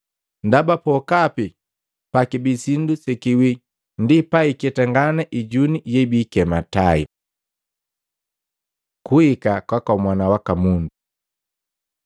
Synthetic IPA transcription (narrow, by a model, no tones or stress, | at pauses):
ndabapɔkapi | pakibisindusɛkiwi | ndipaikɛtɛŋɡanɛʔiɟunijɛibikɛmataḭ | kuikakwakaumwanawakamundu